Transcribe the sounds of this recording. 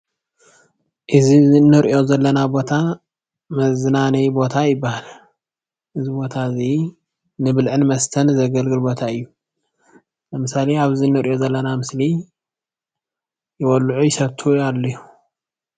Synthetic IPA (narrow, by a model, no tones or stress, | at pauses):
ʔɨzinɨɾʔo̞zɐlːɐnabo̞t̪ʰa | mɐzɨnanɐjbo̞t̪ʰajɪbːahal | ʔɨzibo̞t̪ʰazi | nɨbɨlʕɨnmɐst̪ʰɐnzɐɡɐlɡɨlbo̞t̪ʰaɨjːu | ɐmɨsaleaβzinːɨɾjo̞zɐlːɐnamɨsli | jɪwɔlːʕujɪsɐβt̪ʰualːɐju